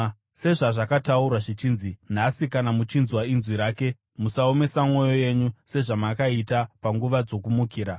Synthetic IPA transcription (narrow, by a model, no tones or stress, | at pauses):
se̞ʐaʐakataurwaʐit͡ʃiːnzin̤asikanamut͡ʃinzwainzwiɾaːke̞ | musao̞me̞samwo̞jo̞je̞ɲuse̞ʐamakaitapaŋɡuʋad͡zo̞kumukiːɾa